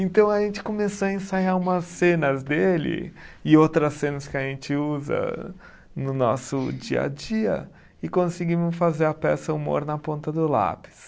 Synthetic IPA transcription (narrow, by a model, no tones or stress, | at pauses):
ẽnt̪ɐ̃w̃ɐʒẽnt͡ʃɪ̥komesoɐẽsajaũmɐsẽnɐzd̪elɪ̰ɪowt̪ɾɐsːẽnɐskɪɐʒẽnt͡ʃɪuzɐ̰ | nʊnɔ̰sʊd͡ʒiɐ̰d͡ʒiɐ̰ | ɪkõsɪɡimʊfazeɾɐpɛsɐumo̰ɾnɐpõnt̪ɐd̪ʊla̰pɪ̥s